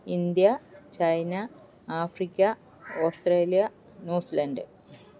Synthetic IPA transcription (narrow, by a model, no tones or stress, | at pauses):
ind̪jɐt͡ɕɐjnɐ | aːfrikʲːɐ | oːstreːlijɐ | nuːsilɐnɖɨ